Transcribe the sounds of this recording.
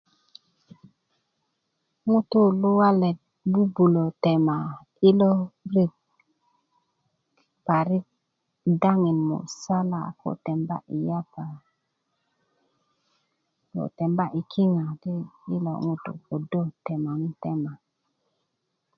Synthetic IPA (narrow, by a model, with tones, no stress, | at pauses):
ŋu˦tu˦lu˦wa˦le˨t̚ | bu˦bu˨lo˨te˨ma˨ | i˦lo˦ɾi˦˨k̚ | pa˨ɾi˦k̚ | da˦ŋi˨nmo̰˨sa˦la̰˨ko̰˦te˨mba̰˦ʔi˨ja˦pa˨ | ko̰˨te˨mba˦ʔi˨kʰi˦ŋa˨ti˦i˦lo̰˦ŋu˦tṵ˨po˨do˦te˨ma˨ŋi˦te˦ma˨